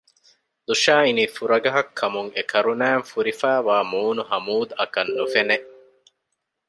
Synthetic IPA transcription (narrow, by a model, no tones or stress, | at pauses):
d̪uʃaːiniːfuɾɐɡɐɦɐkʰːɐmuŋekʰɐɾunæːŋfuɾifæːʋaːmuːnuɦɐmuːd̪ɐkɐnːufeneʔ